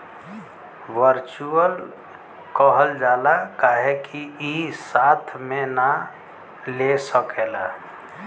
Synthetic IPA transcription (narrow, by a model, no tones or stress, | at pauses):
ʋəɾt͡ʃuəl | kəɦəld͡ʒaːlakaːɦekiisaːt̪ʰmena | lesəkeːla